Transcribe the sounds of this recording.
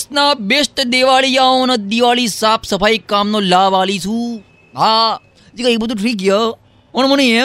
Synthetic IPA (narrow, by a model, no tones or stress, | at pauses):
snabeːst̪d̪eːʋaːlijaːõnɐd̪iʋaːlisaːpʰsɐpaːikaːmnoːlaːʋaːlisʰũ | ɦa | d͡ʒikaeːk̚bəd̪uʈʰɾiːk̬jə | onməñĩe